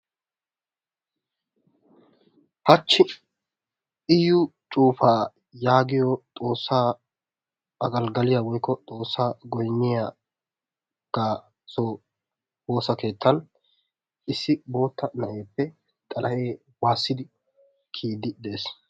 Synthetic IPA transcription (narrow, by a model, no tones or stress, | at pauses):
hɐt͡ʃːɪ | ʔɪjʊt͡ʃʼuːfaː | jaːɡɪjɔt̪ʼo̞ːsːaː | ɐɡɐlɡɐlɪjawɔjkːɔt̪ʼo̞ːsːaːɡɔjnːɪja | ɡ̥aː | so | woːsɐke̞ːt̪ːɐn | ʔɪsːɪbo̞ːt̪ːɐnɐʔeːpːɛ | t̪ʼɐlɐʔe̞ː | waːsːɪd̪ɪ | kʰiːd̪ɪd̪e̞ːs